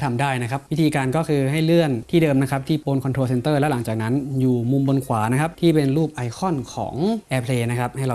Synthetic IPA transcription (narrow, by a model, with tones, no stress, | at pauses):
t̪ʰa˧mdaː˥˩jna˦˥kʰa˦˥p̚wi˦˥t̪ʰiː˧kaː˧nkɔː˥˩kʰɯː˧ɦa˥˩jlɯ˥˩ənt̪ʰiː˥˩dɤː˧mna˦˥kʰa˦˥p̚t̪ʰiː˥˩poː˧nkʰɔ˧t̪ʰɾo˧se˧nt̪ɤː˥˩lɛ˦˥la˩˦ŋt͡ɕaː˨˩k̚na˦˥njuː˨˩mu˧mbo˧nkʰwaː˩˦na˥kʰa˦˥p̚t̪ʰiː˥˩pe˧nɾuː˥˩p̚ʔa˧jkʰɔ˥˩nkʰɔ̰ː˩˦ŋʔɛː˧pʰleː˧na˦˥kʰa˦˥p̚ha˥˩jɾa˧